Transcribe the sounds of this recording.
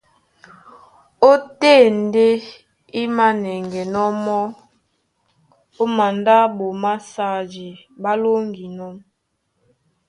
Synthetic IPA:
o˦te˦˨n˦de˦ | i˦ma˦nɛ˨ŋɡe˨nɔ˦mɔ˦ | o˦ma˨nda˦bo˨ma˦sa˦d͡ʒe˨ba˦lo˦ŋɡi˨nɔ˦m

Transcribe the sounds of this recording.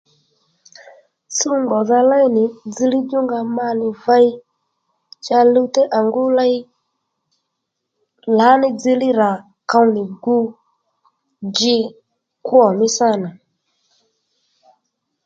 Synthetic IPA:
su˦ŋɡɔ˨ða˧la˦i˦nɪ˨d͡zi˧li˦d͡ʒu˦ŋɡa˧ma˦nɪ˨va˦i˦ | t͡ʃa˧lu˦tɛ˦ʔa˨ŋɡʊ˦la˦i˦ | la˨˦nɪ˨d͡zi˧lɪ˦ɾa˨ | ka˧˦nɪ˨ɡu˦ | d͡ʒɪ˧˦ | ku˦ɔ˨mɪ˦sa˦˨na˨

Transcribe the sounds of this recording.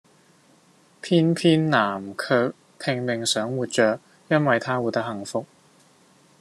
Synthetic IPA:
pʰiː˥npʰiː˥nːaː˨˩mkʰœː˨˧k̚ | pʰɪ˧ŋmɪ˨ŋsœː˨˥ŋwuː˨t̚t͡ʃœː˨k̚ | jɐ˥nwɐ˨jt̪ʰaː˥wuː˨˧t̪ɐ˥khɐ˨ŋfʊ˧k̚

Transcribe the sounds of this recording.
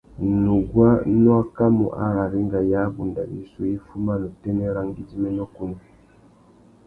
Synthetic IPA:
nu˨ɡwa˦nwa˦ka˦mṵ˨ʔa̰˨ɾa˨ɾi˦ŋɡa˨ja˦bu˨nda˨ʔḭ˨su˦e˦fu˦ma˦nu˨tɛ˦nɛ˦ɾa˦ŋɡi˦di˦mɛ˦nɔ˦ku˦ni˨

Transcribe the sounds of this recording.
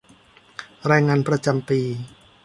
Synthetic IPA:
ɾaː˧jŋaː˧npɾa˧t͡ɕa˧mpiː˧

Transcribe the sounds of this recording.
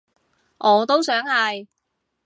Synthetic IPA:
ʔɔː˨˧t̪o˥wsœː˨˥ŋhɐ˨j

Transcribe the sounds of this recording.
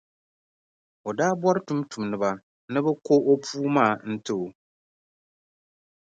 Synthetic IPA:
o˨daː˦bɔ˦ɾɨ˦tu˦mtu˨m˨nɨ˨ba˨ | nɨ˦bɛ˦ko˦o˦pʰuː˦maː˦˨n̩˦tɨ˦˨o˨

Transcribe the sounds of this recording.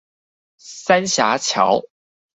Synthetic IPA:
sa˥nɕja˧˥t͡ɕʰjɑ̰˨˧˥ʊ

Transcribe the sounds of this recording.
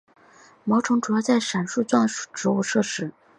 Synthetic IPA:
mo˧˥ʊʈ͡ʂʰʊ˧˥ŋʈ͡ʂu˨˩jɑ˥˧ʊt͡sa˥˩ɪʂa˨˩nʂu˥˧t͡swa˥˧n˨˩ʈ͡ʂɻ̩˧˥u˥˧ʂɤ˥˩ʂɻ̩˥

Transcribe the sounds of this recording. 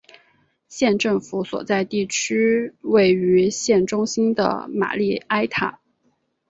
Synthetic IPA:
ɕjɛ˥˧nʈ͡ʂɤ˥˩ŋfu˧˥swɔ̰˨˩t͡sa˥˧ɪt̪i˥˩t͡ɕʰy˥we˥˩ɪy˧˥ɕjɛ˥˩nʈ͡ʂʊ˥ŋɕi˥nd̪ə̰˩ma̰˨˩li˥˩a˥ɪt̪ʰa̰˨˩˦

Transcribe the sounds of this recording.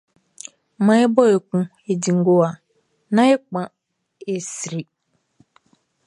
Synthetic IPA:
ma˨ɪ˦bɔ˦e˨kʷũ˦ | e˨di˨ŋ̩˦ɡo˦a˨ | na˦ɪ˦k͡pa˨ | e˦si˨ɾi˨

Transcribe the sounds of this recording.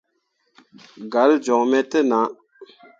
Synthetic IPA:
ɡa˨ld͡ʒɔ˨ŋmɛ˨t̪ə˦˨na˨ʔ

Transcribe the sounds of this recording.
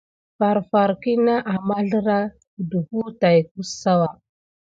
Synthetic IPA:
fa˨ɾfa˨ɾki˦na˦ʔa˨ma˦ɮə˦ɾa˦˨ | du˨hu˦ta˨jku˦ssa˦wa˨

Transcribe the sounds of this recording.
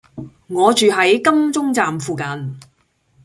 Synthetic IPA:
ŋɔː˨˧t͡ʃyː˨ɦɐ˨˥jkɐ˥mt͡sʊ˥ŋt͡saː˨mfuː˨kɐ˨n

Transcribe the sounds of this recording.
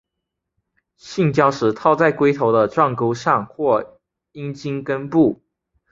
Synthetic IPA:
ɕi˥˩ŋt͡ɕjɑ˥ʊʂɻ̩˧˥t̪ʰɑ˥˧ʊt͡sa˥˩ɪkwe˥ɪt̪ʰo˧˥ʊd̪ə˧ʈ͡ʂwɑ˥˩ŋko˥ʊʂɑ˥˧ŋxwɔ˥˩ | i˥nt͡ɕi˥ŋkə˥npu˥˩

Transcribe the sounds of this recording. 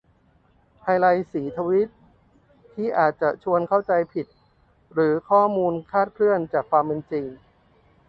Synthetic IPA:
hʰa˧jla˧jsiː˩˦t̪ʰa˧wi˦˥t̪̚ʰː | iː˥˩ʔaː˨˩t̪̚t͡ɕa˨˩t͡ɕʰu˧ənkʰa˥˩wt͡ɕa˧jpʰi˨˩t̪̚ | ɾɯː˩˦kʰɔː˥˩muː˧nkʰaː˥˩t̪̚kʰlɯ˥˩ənt͡ɕaː˨˩kʰːwaː˧mpe˧nt͡ɕi˧ŋ

